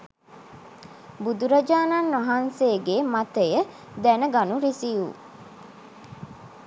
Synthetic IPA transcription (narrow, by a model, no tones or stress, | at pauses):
bud̪uɾɐd͡ʒaːnanʋaɦanseːɡemat̪əjə | d̪ɛnəɡanuɾisiṵ